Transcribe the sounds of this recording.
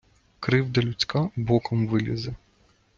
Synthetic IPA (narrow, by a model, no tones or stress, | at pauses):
kɾɪwd̪ɐlʲʊt͡sʲkɑbɔkɔmʋɪlʲizɛ